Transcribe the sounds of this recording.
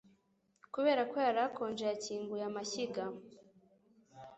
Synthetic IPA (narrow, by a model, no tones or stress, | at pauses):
kuβe̞ːɾakojaɾako̞ːnd͡ʒejaciːŋɡujamaçiɡa